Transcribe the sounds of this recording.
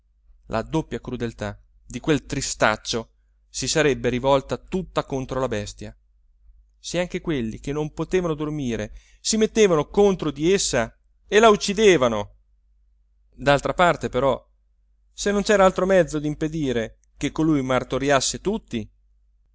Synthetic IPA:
lʔa̰d̪opːjakɾud̪elt̪a | d̪ikwelt̪ɾist̪a̰t͡ʃːo | sisaɾɛbːeɾivɔlt̪at̪ut̪ːakont̪ɾolabɛst̪ja | seaŋk̟ekwelːik̟enːompot̪eːvanod̪ormiːɾe | simet̪ːeːvanokont̪ɾod̪iesːa | elaut͡ʃːid̪eːvano | d̪alt̪ɾapart̪epeɾɔ | senːont͡ʃɛːɾaalt̪ɾomɛd̪zːod̪imped̪iːɾe | kekːolujmart̪oɾjasːet̪ut̪ːi

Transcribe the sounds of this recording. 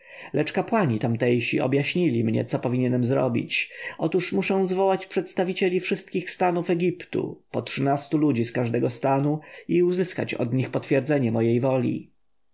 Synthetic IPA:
lɛt͡ʂkapwaɲit̪amt̪ɛjɕiɔ̰bjaɕɲilʲimɲɛ̰t̪sɔpɔvʲiɲɛnɛmzɾɔ̰bʲḭt͡ɕɔt̪uʂmuʂɛ̃w̃zvɔwat͡ɕpʂɛt̪st̪avʲit͡ɕelʲifʂɘst̪̚kʲixst̪anufɛɡʲipt̪ṵpɔtʂɘnast̪ulud͡ʑiskaʐd̪ɛɡɔst̪anuiuzɘska̰t͡ɕɔ̰d̪ɲixpɔt̪fʲjɛɾd̪zɛɲɛmɔjejvɔlʲḭ

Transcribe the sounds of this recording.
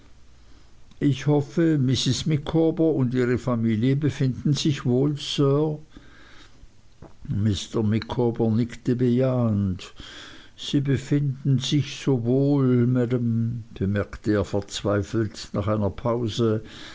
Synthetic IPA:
ʔɪçhɔfəmɪsɪsmɪkʰoːbɐʊndiːʁəfamiːljəbəfɪndn̩zɪçvoːlsœː | mɪstəmɪkʰobɐnɪktəbəjaːənt | z̥iːbəfɪndn̩zɪçz̥oːvoːlmædəmb̥əmɛɐktəeːɐfɛɐt͡sv̥aɪfl̩tna̰ːχaɪnɐpʰaʊzə

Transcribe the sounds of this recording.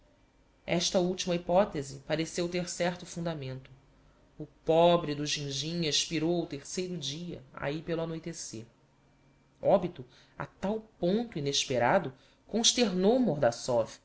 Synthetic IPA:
ɛʃt̪ɐuwt͡ʃimɐipɔt̪ezipaɾesewt̪eɾsɛɾt̪ʊfũnd̪amẽnt̪ʊ | ʊpɔbɾid̪ʊʒĩŋʒĩɲɐiʃpiɾowʊt̪eɾsejɾʊd͡ʒiɐ̰a̰ipeluanojt̪eseɾ | ɔbit̪ʊ | a̰t̪awpõnt̪ʊineʃpeɾad̪ʊ | kõʃt̪eɾnowmoɾd̪asɔvi

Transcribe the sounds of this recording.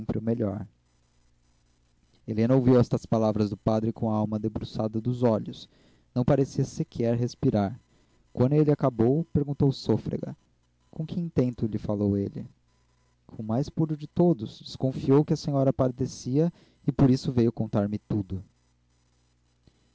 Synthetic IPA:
mpɾɪʊmeʎɔɾ | elẽnɐowviwɛst̪ɐspalavɾɐzd̪ʊpad̪ɾɪkõɐawmɐd̪ebɾusad̪ɐd̪ʊzɔʎʊs | nɐ̃w̃paɾesiɐsɪkʰɛɾɦespiɾaɾ | kwɐ̃nd̪ʊelɪakabowpeɾɡũnt̪owsofɾḛɡɐ̰ | kõkɪĩt̪ẽnt̪ʊlɪfalowelɪ̰ | kʰõmajspuɾʊd͡ʒɪt̪od̪ʊzd͡ʒɪskõfiowkɪɐsẽɲɔɾɐpaɾd̪esiɐ | ɪpoɾisʊvejʊkõnt̪aɾmɪt̪ud̪ʊ

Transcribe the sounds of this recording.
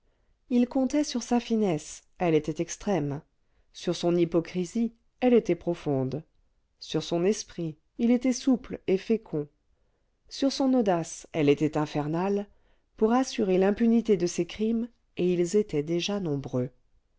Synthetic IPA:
ilkɔ̃t̪ɛsyʁsafinɛs | ɛlet̪ɛt̪ɛkst̪χɛm | syʁsɔ̃nipɔkχizi | ɛlet̪ɛpχɔfɔ̃d̪ | syʁsɔ̃nɛspχiː | let̪ɛsuplefekʰɔ̃ | syʁsɔ̃nod̪asɛlet̪ɛt̪ɛ̃fɛʁnal | puʁasyʁelɛ̃pynit̪ed̪əsekχim | eilzet̪ɛd̪eʒanɔ̃bʁø

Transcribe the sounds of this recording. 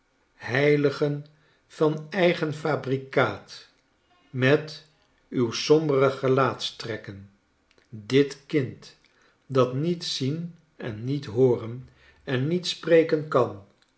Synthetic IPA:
ɦɛjləχən | v̥ɑnɛjχənfaːbrikaːt | mɛt | ywsɔmbərəχəlaːtstrɛkən | dɪtkɪnt | dɑtnitsin | ɛ̰nːitɦoːrən | ɛnːitsprejkənkɑn

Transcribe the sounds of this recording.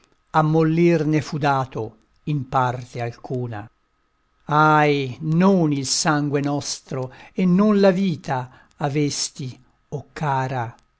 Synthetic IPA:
amːolːirnefud̪aːt̪o | impart̪ealkuːna̰ | ajnonilsaŋɡwenɔst̪ɾoenːonlaviːt̪aː | vest̪i | okʰːaːɾa

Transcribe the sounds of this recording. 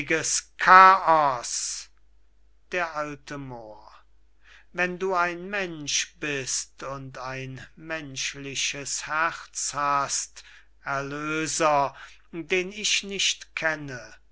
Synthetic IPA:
ɡəskʰaːɔs | d̥eːɐʔaltʰəmoːɐ | vɛnduːaɪnmɛnʃb̥ɪstʊntaɪnmɛnʃlɪʃəshæʁt͡shast | ɛɐløːzɐ | deːnɪʃnɪʃtkʰɛnə

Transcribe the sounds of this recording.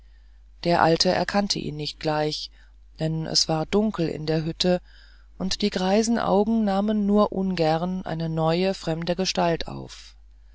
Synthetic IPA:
d̥eːɐʔaltʰəʔɛ̰ɐkʰantʰə̰ʔḭːnːɪçt̚ɡ̥laɪç | d̥ɛnʔɛ̰sv̥aːɐdʊŋkl̩ɪ̰ndeːɐɦʏtʰə | ʔʊntd̥iːɡʁaɪzn̩ʔa̰ʊɡŋ̩naːmənːuːɐʔʊnɡɛʁnʔa̰ɪnənɔʏəfʁ̥ɛmdəɡəʃtaltʰa̰ʊf

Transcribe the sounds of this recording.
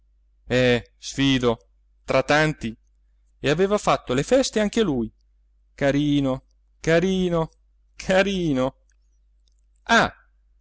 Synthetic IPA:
ɛsfiːd̪o | t̪ɾat̪ːant̪i | eaveːvafat̪ːolefɛst̪eaŋk̟ealuj | kaɾiːno | kaɾiːno | kʰaɾiːno | a

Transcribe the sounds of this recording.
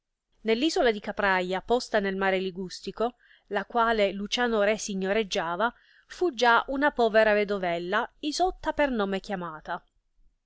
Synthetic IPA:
nelːiːzolad̪ikapɾajːapɔst̪anelmaːɾeliɡust̪iko | lakwaːlelut͡ʃaːnoɾɛsiɲːoɾed͡ʒːaːva | fud͡ʒaunapɔːveɾaved̪ovɛlːaizɔt̪ːapernoːmekjamaːt̪a

